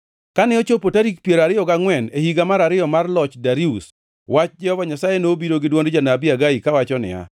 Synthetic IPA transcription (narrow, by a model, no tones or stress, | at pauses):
kanɪot͡ʃopotaɾik̚pjeɾaɾɪjɔɡaŋwɛnehiɡamaɾaɾɪjɔmarlɔt͡ʃdaɾius | wat͡ʃd͡ʒɛhɔvaɲasajenobiɾoɡɪdwɔndd͡ʒanabɪaɡaikawat͡ʃɔnɪ̰a̰